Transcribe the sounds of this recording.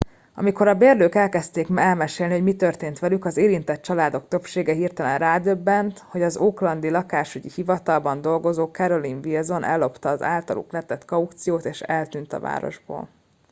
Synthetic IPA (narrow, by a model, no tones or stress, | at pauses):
ɒ̰miko̞ɾɒbeːrløːkɛlkɛst̪eːkɛlmɛʃeːlniho̞ɟmit̪ørt̪eːnt̪ʋɛlykɒzeːɾint̪ɛt̪̚t͡ʃɒlaːd̪o̞kt̪ø̞pʃeːɡɛɦirt̪ɛlɛnraːd̪øbːɛnt̪ho̞ɟɒzoːklɒnd̪ilɒkaːʃuɟihivɒt̪ɒlbɒnd̪o̞lɡo̞zoːkɛɾo̞liɱvilzo̞nʔɛ̰lːo̞pt̪ɒːza̰ːlt̪ɒlʔṵklɛt̪ɛt̪kɒukt̪sijoːt̪eːʃɛlt̪yːnt̪ɒ̰va̰ːɾo̞̰ʒbo̰ːl